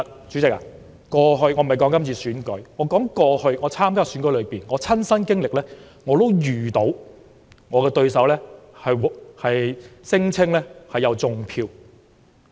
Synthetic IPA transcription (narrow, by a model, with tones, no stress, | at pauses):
t͡ʃyː˨˥t͡sɪ˨k̚a̰ː˨ | kɔː˧ɦɵ˧ɥŋɔː˨˧m˨jkɔː˨˥ŋkɐ˥mt͡sʰiː˧syː˨˥nkɵ˨˥ŋɔː˨˧kɔː˨˥ŋkɔː˧hɵ˧ɥŋɔː˨˧t͡sʰaː˥mkaː˥syː˨˥nkɵ˨˥jlɵ˨˧ɥpiː˨˩nŋɔː˨˧t͡sʰɐ˥nsɐ˥nkɪ˥ŋlɪ˨k̚lɛː˥ | ŋɔː˨˧t̪o˥wjyː˨˩t̪o˨˥w | ŋɔː˨˧kɛː˧t̪ɵ˧ɥsɐ˨˥wlɛː˥hɐ˨jhɐ˨jsɪ˥ŋt͡sʰɪ˥ŋlɛː˥hɐ˨jɐ˨˧wt͡sʊ˨ŋpʰiː˧w